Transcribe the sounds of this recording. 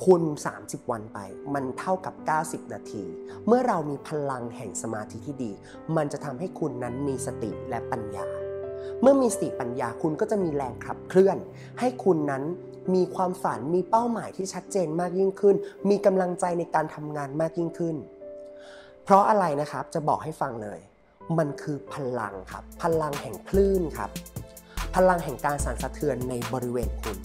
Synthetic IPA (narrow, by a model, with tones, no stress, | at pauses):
kʰu˧nsa̰ː˩˦msi˨˩p̚wa˧npa̰˧jma˧nt̪ʰa˥˩wka˨˩p̚kaː˥˩wsi˨˩p̚naː˧t̪ʰḭː˧ | mɯ˥˩ɐɾa˧wmiː˧pʰa˧la˧ŋhɛ̰˨˩ŋsa˧maː˧t̪ʰi˦˥t̪ʰiː˥˩diː˧ | ma˧nt͡ɕa˨˩ʔt̪ʰa˧mha˥˩jkʰu˧nːa˦˥nmiː˧sa˧t̪ḭ˨˩ʔlɛ˦˥pa˧nja̰ː˧mɯ˥˩ɐmiː˧sa˧t̪i˨˩pa˧njaː˧kʰu˧nkɔː˥˩t͡ɕa˨˩ʔmiː˧ɾɛː˧ŋkʰɾa̰˨˩p̚kʰlɯ˥˩ən | ha˥˩jkʰu˧nːa˦˥n | miː˧kʰwaː˧mfa̰˩˦nmiː˧pa˥˩wmaː˩˦jt̪ʰiː˥˩t͡ɕʰa˦˥t̪̚t͡ɕeː˧nmaː˥˩k̚ji˥˩ŋkʰɯ˥˩nmiː˧ka˧mla˧ŋt͡ɕa˧jna˧jkaː˧nt̪ʰa˧mŋaː˧nmaː˥˩k̚ji˥˩ŋkʰɯ˥˩n | pʰɾɔ˦˥ʔa˧ɾa˧jna˦˥kʰɾa˦˥p̚t͡ɕa˨˩bɔː˨˩k̚ha˥˩jfa˧ŋlɤ̰ː˧j | ma˧nkʰɯː˧pʰa˧la̰˧ŋkʰa̰˦˥pʰːa˧la˧ŋhɛ˨˩ŋpʰlɯː˥˩nkʰa̰˦˥p̚ʰː | a˧la˧ŋɦɛ˨˩ŋkaː˧nsaː˩˦nsa˧t̪ʰɯ˧ənːa˧jbɔː˧ɾi˦˥weː˧nkʰu˧n